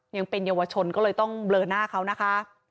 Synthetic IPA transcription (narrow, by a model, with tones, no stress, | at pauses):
ja˧ŋpe˧njaː˧wa˧t͡ɕʰo˧nkɔː˥˩lɤː˧jt̪ɔ˥˩ŋblɤː˨˩naː˥˩kʰa˦˥wna˦˥kʰa˦˥ʔ